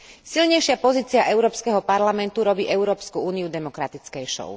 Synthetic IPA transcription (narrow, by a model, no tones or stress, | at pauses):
silɲɛjʃɪapɔziːt͡siaʔɛʊɾɔːpskɛɦɔpaɾlamɛnt̪uɾɔbiːʔɛʊɾɔːpskuuːniud̪ɛmɔkɾat̪it͡skɛjʃɔ̰ʊ